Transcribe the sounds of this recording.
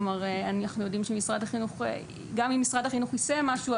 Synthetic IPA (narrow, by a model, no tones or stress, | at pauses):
maʁeanaχnujo̞dimʃemisʁadhaχinuχḛ | ɡamimːisʁadhaχinuχisemaʃu